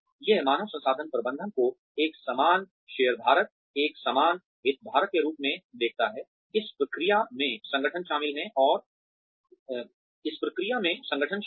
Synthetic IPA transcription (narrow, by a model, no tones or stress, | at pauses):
jemaːnəʋsɐ̃nsaːd̪ʱənpɾɐbə̃nd̪ʱənko | eːksəmaːn | ʃeːəɾbʱaːɾət̪̚ | eːksamaːn | ɦɪt̪̚bʱaːɾət̪̚keɾuːpmẽd̪eːk̚ʰt̪aɦɛː | ɪspɾɐkɾijamẽsɐ̃ŋɡʱəʈʰənʃaːmɪlɦɛ̃ʔɔːɾ | ɪspɾɐkɾijamẽsɐ̃ŋɡəʈʰən